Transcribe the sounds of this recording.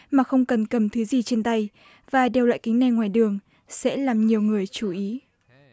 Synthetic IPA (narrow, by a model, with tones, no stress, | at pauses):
maː˨˩xə˧wŋ͡mkə˨˩nkə˨˧˩mt̪ʰɨ˨˦zi˨˩t͡ɕe˧nt̪a˧j | vaː˨˩ɗe˨˩wla̰ː˧˨jkï˨˦ŋ̟na˨˩jŋwaː˨˩jɗɨ˨˩əŋ | sɛ̰˧˥laː˨˩mɲi˨˩əwŋɨ˨˩əjt͡ɕu˧˩ʔi˨˦